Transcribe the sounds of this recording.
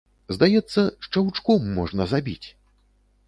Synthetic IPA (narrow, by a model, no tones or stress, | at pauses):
zd̪ajɛt̪sːɐʂt͡ʂɐwt͡ʂkɔmːɔʐnɐzabʲit͡sʲ